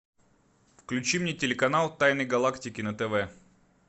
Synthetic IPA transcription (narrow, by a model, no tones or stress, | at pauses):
fklʲʉt͡ɕimnʲetʲɪlʲɪkɐnalˠt̪ajnəjɡɐlˠaktʲɪkʲɪnət̪ɛvɛ